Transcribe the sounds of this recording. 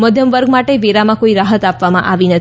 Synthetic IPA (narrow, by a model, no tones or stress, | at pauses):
məd̪ʱjəmʋəɾɡmaʈeʋeɾamãkoiɾaɦət̪apʋamã̰ʔaʋinət̪